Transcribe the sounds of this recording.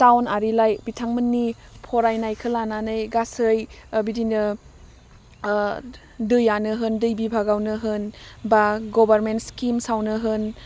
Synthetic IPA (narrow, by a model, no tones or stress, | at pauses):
tawnaɾilajbitʰaŋmənːipʰɔɾajnajkʰɯlananɯjɡasɯjbidinɯ | dɯjanɯɦɯndɯjbibʱaɡawnɯɦɯnbaɡɔbaɾmentskimsawnɯɦɯn